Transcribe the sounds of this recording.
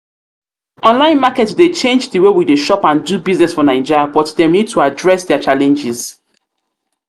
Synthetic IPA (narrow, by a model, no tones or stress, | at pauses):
ʔɔ̃nlãɪ̃nmakɛtsdet͡ʃẽnd͡ʒdəwewideʃɔpãndubiznɛsfɔnãɪ̃d͡ʒabɔtdɛmnid̚tʰuadɹɛsdɛat͡ʃalɛ̃nd͡ʒɪz̥